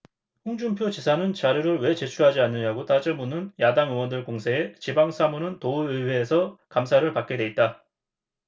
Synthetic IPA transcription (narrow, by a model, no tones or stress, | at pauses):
ɸuŋd͡ʑumpʰjot͡ɕisʰanɯnt͡ɕaɾjuɾɯɭwe̞t͡ɕe̞t͡ɕʰuɦad͡ʑianːɯɲaɡot͈ad͡ʑʌmunɯnjadaŋɯŋwʌndɯɭkoŋsʰe̞et͡ɕibaŋsʰamunɯntouɯwe̞ːsʰʌkamsʰaɾɯɭpak͈̚e̞dwe̞it̚t͈a